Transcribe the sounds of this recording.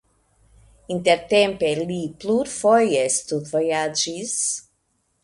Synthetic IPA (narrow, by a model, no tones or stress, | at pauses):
int̪eɾt̪ẽmpelipluɾfojest̪uvojad͡ʒis